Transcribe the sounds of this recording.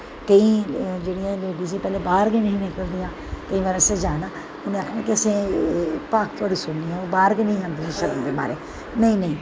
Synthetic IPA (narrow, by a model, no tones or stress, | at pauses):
kəĩːd͡ʒeːɽijãːleːɖiːzĩːpɛːleːbaːɾɡenə̃ĩːnɪ̃ːkəld̪ijãː | kəĩːʋaːɾasẽd͡ʒaːnaː | ʊnẽaːkʰãːkɪəsẽːpaːkt̪əɽiːsʊɳniːãːoːbaːɾɡenĩɦãːnd̪iːnãʃəɾəmd̪eːma̰ːɾeː | nəĩːnə̃ĩː